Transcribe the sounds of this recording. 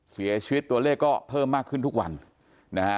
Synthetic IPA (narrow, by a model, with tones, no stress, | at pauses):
si˩˦ɐt͡ɕʰi˧wt̪ːu˧ɐleː˥˩kːɔː˥˩pʰɤː˥˩mːaː˥˩kʰːɯ˥˩nt̪ʰu˦˥k̚wa̰˧n | na˦˥